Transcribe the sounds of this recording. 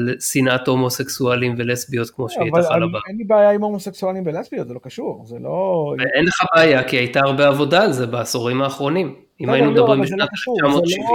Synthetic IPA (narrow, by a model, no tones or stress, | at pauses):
lsinatho̞mo̞seksualimvelesbiot̪kmo̞ʃeevaalabaenlibeajaimomoseksualimbelesbiot̪zelokaʃuʁzeloenleχabeajakiajtaaʁbeavo̞daːlze̞beːso̞ʁimaːχʁo̞nim | imajinumed̪abʁimbeʃnat̪lt͡ʃamot̪ʃiv